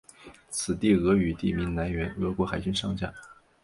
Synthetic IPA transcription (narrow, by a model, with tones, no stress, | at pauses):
t͡sʰɹ̩˨˩t̪i˥˩ɣɤ˧˥y˨˩t̪i˥˩mi˧˥ŋna˧˥nɥɛ˧˥nɣɤ˧˥kwɔ˧˥xa˨˩ɪt͡ɕy˥nʂɑ˥˧ŋt͡ɕja̰˥˩˦